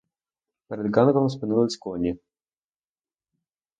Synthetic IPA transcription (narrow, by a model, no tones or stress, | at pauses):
pɛɾɛd̪ɡɑnkɔmspɪnulˠɐt͡sʲkɔnʲi